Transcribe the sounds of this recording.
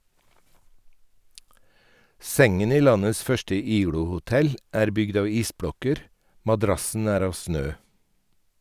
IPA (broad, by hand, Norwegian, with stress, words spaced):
ˈsɛŋən ˈiː ˈlɑnəs ˈfœʃʈə ˈiːɡɽʊhʊˌtɛl ˈæːɾ ˈbʏɡd ˈɑːʋ ˈiːsˌbɽɔkəɾ mɑˈdɾɑsn̩ ˈæːɾ ˈɑːʋ ˈsnøː